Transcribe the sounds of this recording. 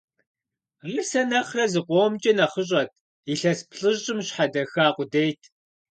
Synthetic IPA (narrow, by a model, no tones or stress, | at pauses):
riːsɐnɐχrɐzɨqʷoːmt͡ʃʼɐnɐχəɕ̬ʼɐtʰ | iɬɐspɬɨʑʼɪmɕħadɐxaːqʷʊdejtʰ